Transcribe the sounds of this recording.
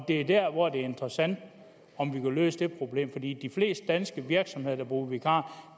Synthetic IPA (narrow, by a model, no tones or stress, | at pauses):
d̥e̝æd̥æɐ̰ʋɒd̥e̝æɐe̝nd̥ʁɐsæn̰d̥ | ɒ̽mʋikʰælø̰ːsəd̥e̝pʰʁo̝b̥le̝̰ːmfɒ̽d̥ḭːd̥ifle̝̰ːsd̥̚d̥ænsɡ̥əʋiɐɡ̥sɒ̽mhe̝ðˠɐdɑb̥ʁṵːʋikʰɑ̰̈ː